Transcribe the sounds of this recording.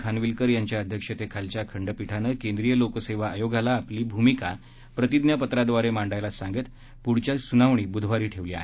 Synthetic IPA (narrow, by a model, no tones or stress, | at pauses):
kʰanʋilkəɾjaɲt͡ɕjaəd̪ʱjəkʂət̪ekʰalt͡ɕjakʰəɳɖəpiʈʰanəkẽnd̪ɾijəlokəseʋaːjoɡalaːpliːbʱumika | pɾət̪id̪njapət̪ɾad̪ʋaɾemaɳɖajlasãŋɡet̪ | puɽt͡ɕjasunaʋɳ̃iːbud̪ʱʋaɾiːʈʰeʋliːa̰ɦe